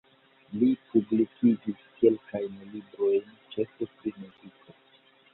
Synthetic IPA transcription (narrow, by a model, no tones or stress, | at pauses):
lipublikʰid͡ʒiskelkajnlibɾo̞jnt͡ʃefefineɡikʰo